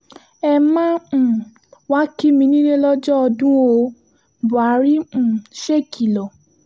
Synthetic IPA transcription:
ɛ˧mã˦˨ | wa˦ki˦mĩ˧nĩ˦nẽ˦lɔ˦d͡ʒɔ˦ɔ˧dũ˦o˧˦˨ | bu˨a˨˦ɾi˦˨ʃe˦kʰi˨lɔ˨

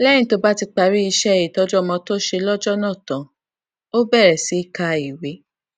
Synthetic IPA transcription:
lɛ̃˦ĩ˧˦to˧ba˦ti˧k͡pa˧ɾi˦i˧ʃɛ˦˨ji˨tɔ˦d͡ʒɔ˦˧˨mɔ̃˧to˦ʃe˧lɔ˦d͡ʒɔ˦nã˦˨tã˨ | o˦bɛ˦˨ɾɛ˨si˨˦i˦˨ka˧i˨we˨˦

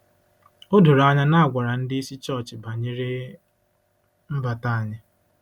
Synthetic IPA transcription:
o˦dʊ˨ɾa˦ɲa˦na˦a˨ɡʷa˨ɾa˨n̩˦dɪ˦i˦si˦t͡ʃɔ˦˨t͡ʃɪ˨ba˨ɲe˦ɾe˦ | m̩˦ba˨ta˦a˨ɲɪ˦

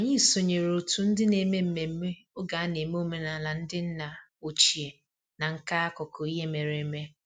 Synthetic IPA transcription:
a˨ɲɪ˦˨so˨ɲe˨ɾo˨tu˨˦n̩˦dɪ˦ne˨me˦m̩˦me˨m̩˦me˦o˦ɡa˨a˦ne˨me˦o˦me˨na˨la˨n̩˦dɪ˦n̩˦na˨ | o˨t͡ʃi˨e˨ | na˨ŋ̩˦ka˦a˦kɔ˨kɔ˨i˦ɦe˦me˨ɾe˨˦me˦

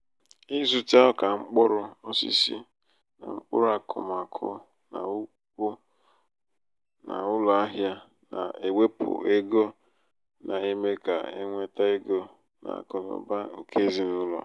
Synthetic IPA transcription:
i˦zu˨ta˦ɔ˦ka˨ŋ͡m̩˦k͡pʊ˦ɾʊ˦o˦sḭ˦si˦ | na̰˨ŋ͡m̩˦k͡pʊ̰˦ɾa˨kʰʊ̰˨m˨a˨kʰʊ̰˦ | na̰˨u˦ | kʷu˦ | na̰˨ʊ˦lɔ˨a˦ɦja˦ | na̰˨e˨we˦pʊ̰˨e˦ɡo˦ | nʔa˨e˦me˦ka̰˨ḛ˦ŋʷe˦ta˦e˦ɡo˦ | na̰˨kʊ˨nʊ̰˨ba˦o˨kʰe˦zi˨nʊ˦lɔ̰˨

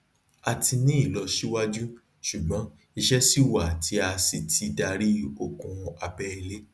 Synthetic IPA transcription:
a˧ti˧nĩ˦i˦˨lɔ˧ʃi˦wa˦d͡ʒu˦ | ʃu˨ɡ͡bɔ̃˨˦ | i˧ʃɛ˦si˦wa˦˨ti˨˦a˧si˧tʰi˧da˧ɾi˦o˨kũ˧a˧bɛ˦i˧le˦

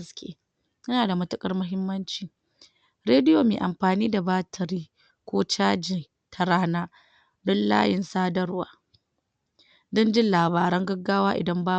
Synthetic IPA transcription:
skʲʰʼḛː˦ | jɐ˦naː˨da˨mɐ˦tʊ˦kʼɐ˦rmʊ˦ɦɪ˦mːɐ˦nt͡ʃiː˨ | ɾeː˦dɪ˦joː˨meː˨ʔa˨mɸaː˨niː˦da˨baː˦tʰɐ˨ɾiː˦ | kʷoː˦t͡ʃaː˦d͡ʒɪ˨ | tʰɐ˨ɾaː˦naː˦ | dɔ˦nla̰ː˦jɪ˨nsaː˦dɐ˦rwaː˦ | dɔ˦nd͡ʒɪ˦nlaː˨βaː˨ɾɐ˦ŋɡɐ˦ɡːaː˦waː˦ʔɪ̰˨dɐ˦mbaː˦

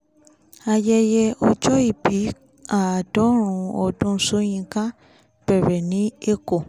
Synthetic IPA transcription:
a˧jɛ˧jɛ˧o˧d͡ʒɔ˦i˦˨bi˨˦ | a˨dɔ˨˦ɾ̃ũ˨o˧dũ˧˦so˦j̃ĩ˧kã˦ | b̥ɛ˨bɛ˨nĩ˦e˦ko˦˨

